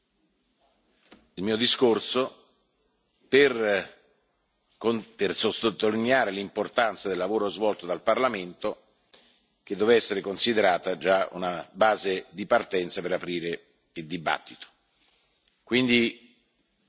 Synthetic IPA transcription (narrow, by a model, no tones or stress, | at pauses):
ilmiːod̪iskorso | per | opersot̪ːot̪ːolinjaːɾelimport̪ant̪sad̪elːavoːɾozvɔlt̪od̪alparlament̪o | k̟ed̪ːoːvɛsːeɾekonsid̪eɾaːt̪ad͡ʒaṵnabaːzed̪ipart̪ɛnt̪sapeɾapɾiːɾe | ild̪iba̰t̪ːit̪o̥ | kwind̪i